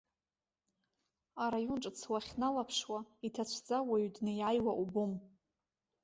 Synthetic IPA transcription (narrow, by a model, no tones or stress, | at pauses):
aɾajunʈ͡ʂʼt͡sʰwaχʲnalapʰʂwaitʰat͡ɕʷʰd͡zawaɥdnɨjajwaʔubum